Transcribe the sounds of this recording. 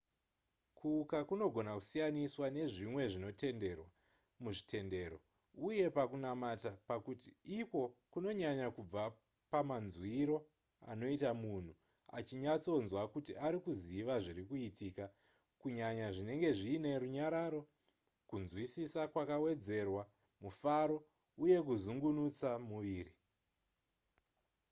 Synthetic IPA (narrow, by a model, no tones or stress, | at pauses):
kʰuːkakuno̞ɡʱo̞naku̥sijaniswane̞ʐimwe̞ʐino̞te̞nde̞rwa | muʐitʰe̞nde̞ːɾo̞ | uje̞pakunamatapakutiiko̞kuno̞ɲaɲakub͡va | pamanzwiɾo̞ | a̰no̞itamun̤u | a̰t͡ʃiɲat͡so̞nzwakutiʔaɾikuziʋaʐiɾikuitika | kuɲaɲaʐine̞ŋɡe̞ʐiːne̞ɾuɲaɾaɾo̞ | kunzwisisakwakawe̞d͡ze̞rwa | mufaɾo̞ | uje̞kuzuŋɡunut͡samuʋiːri